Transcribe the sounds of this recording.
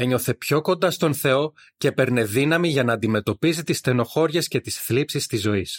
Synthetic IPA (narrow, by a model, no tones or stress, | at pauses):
e̞ɲo̞θe̞pço̞ko̞nd̪ɐst̪o̞nθe̞o̞ | ce̞pe̞ɾne̞ðinɐmiʝɐnɐːnd̪ime̞t̪o̞pizit̪isθe̞no̞xo̞ɾʝe̞sce̞t̪isθlipsist̪izːo̞is